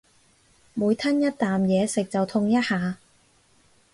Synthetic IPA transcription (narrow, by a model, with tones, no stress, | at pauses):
muː˨˧jt̪ʰɐ˥njɐ˥t̚t̪aː˨mjɛː˨˧sɪ˨k̚t͡sɐ˨wt̪ʰʊ˧ŋjɐ˥t̚haː˨˧